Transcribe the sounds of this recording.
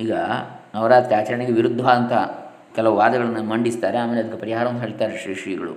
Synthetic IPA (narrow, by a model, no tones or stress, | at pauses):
iːɡɐɐʋɾaːt̪keaːt͡ʃɐɾɐɳeɡeʋiɾud̪ʱːʋaːnt̪ɐ | kɛlɐʋuʋaːd̪ɐɡɐɭɐnːɐmɐɳɖist̪aːɾeaːmeːleɐd̪ɐkːepɐɾiɦaːɾɐʋɐnd̪ɦeːɭt̪aːɾeʃɾiʂiːɡɐɭṵ